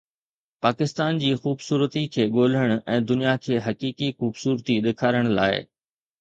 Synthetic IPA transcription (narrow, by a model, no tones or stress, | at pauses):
paːkɪst̪aːnd͡ʑiːxuːbsuːɾət̪ikʰeːɠoːl̤əɽ̃ʊ̆ʔɛ̃ːd̪ʊnijakʰeːɦɐkiːkixuːbsuːɾt̪iɗɪkʰaːɾəɽ̃la̰ːɪ̰